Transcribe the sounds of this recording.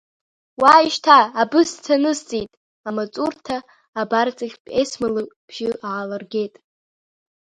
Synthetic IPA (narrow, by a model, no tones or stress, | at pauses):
waiʃtʰaːbɨst͡sʰanɨzt͡sʼitʼ | amat͡sʼurtʰaː | bart͡sʼaχʲpʼesmalɨb̥ʒ̥ɪʔaalarɡʲe̞jtʼ